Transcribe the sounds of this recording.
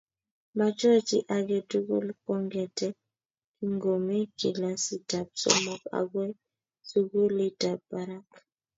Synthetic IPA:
ma˨t͡ʃɔ˦˨t͡ʃi˦ʔa˨ɡɛ˨tu˦ɡo̰˦lkɔ˦ŋɡɛ˨tɛ˦ | ŋɡo˨mi˦ki˨la˦si˦da˨b̚sɔ̰˦mɔ˨ka̰˨ɡwɛ˦ | su˦ɡo˦li˦ta˨bba˨ɾa˦k

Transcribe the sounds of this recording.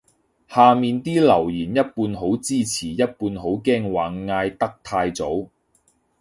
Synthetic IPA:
haː˨miː˨nt̪iː˥lɐ˨˩wjiː˨˩njɐ˥t̚puː˧nɦo˨˥wt͡siː˥t͡sʰiː˨˩jɐ˥t̚puː˧nɦo˨˥wkɛː˥ŋwaː˨˩ŋːaː˧jt̪ɐ˥k̚t̪ʰaː˧jt͡so˨˥w

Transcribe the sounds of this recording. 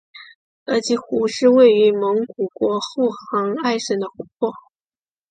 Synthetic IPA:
ə˧˥t͡ɕi˧˥xu˧˥ʂɻ̩˥˧we˥˩ɪy˧˥mɤ˧˥ŋku˨˩kwɔ˧˥xo˥˩xɑ˧˥ŋa˥˩ɪʂə˧˥nd̪ə˧xu˧˥pʰwɔ˥˩

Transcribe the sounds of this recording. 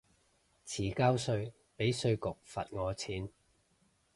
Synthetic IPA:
t͡sʰiː˨˩kaː˥wsɵ˧ɥ | pe˨˥jsɵ˧ɥkʊ˨k̚fɐ̰˨t̚ŋɔː˨˧t͡sʰiː˨˥n

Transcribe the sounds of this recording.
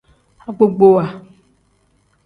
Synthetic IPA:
a˨ɡ͡bo˦ɡ͡bo˦wa˨

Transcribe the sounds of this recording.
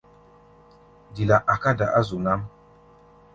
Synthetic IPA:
di˨la˨ʔa˨ka˦da˨ʔa˦zu˨na˦m

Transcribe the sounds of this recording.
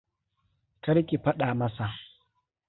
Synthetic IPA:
kɐ˦ɾkʲi˨ɸɐ˦ɗaː˨mɐ˦sa˨

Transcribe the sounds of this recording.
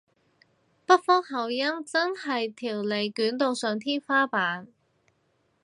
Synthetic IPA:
pɐ˥t̚fɔː˥ŋhɐ˨wjɐ˥mt͡sɐ˥nhɐ˨jt̪ʰiː˨˩wle˨jkyː˨˥nt̪o˨˧wsœː˨ŋt̪ʰiː˥nfaː˥paː˨˥n

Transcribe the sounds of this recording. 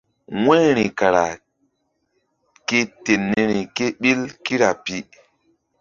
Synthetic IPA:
wɛ̃˦ɾ̃i˨ka˨ɾa˨ | ke˦te˨nːi˦ɾi˨ke˦ɓi˦lki˦ɾa˨pi˦

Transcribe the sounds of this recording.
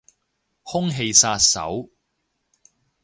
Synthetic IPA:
hʊ˥ŋɦe˧jsaː˧t̚sɐ̰˨˥w

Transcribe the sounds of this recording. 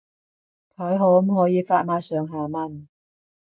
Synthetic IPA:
kʰɔː˨˥jɦo˨˧whɔː˨˥jiː˨˧faː˧t̚maː˧˥sœː˨˧ŋɦaː˨mɐ˧n

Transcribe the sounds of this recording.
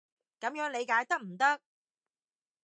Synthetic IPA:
kɐ˨˥mjœː˨˥ŋle˨˧jkaː˨˧˥jt̪ɐ˥k̚m̩˨˩t̪ɐ˥k̚

